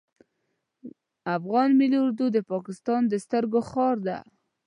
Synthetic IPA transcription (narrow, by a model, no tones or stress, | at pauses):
afɣɑnmilʊɾd̪ud̪əpɑkɪst̪ɑnd̪əst̪əɾɡoxɑɾd̪a̰